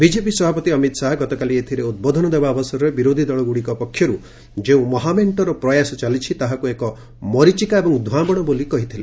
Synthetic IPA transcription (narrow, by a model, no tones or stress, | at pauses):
bid͡ʒepisɔbʱapɔt̪iɔmit̪saɦɔɡɔt̪ɔkaliet̪ʰiɾeud̪̚bɔd̪ʱɔnɔd̪ebaɔbɔsɔɾɔɾebiɾod̪ʱid̪ɔɭɔɡuɽikɔpɔkʰjɔɾu | d͡ʒeũmɔɦameɳʈɔɾɔpɾɔjasɔt͡ʃalit͡ʃʰit̪aɦakuekɔ | mɔɾit͡ʃikaebɔŋd̪ʱuabɔɽ̃ɔbolikɔɦit̪ʰilẽ